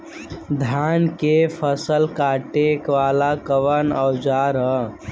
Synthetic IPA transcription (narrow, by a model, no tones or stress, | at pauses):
d̪ʱankepʰəsəlkaʈekʋalakəʋənəwd͡ʒaɾə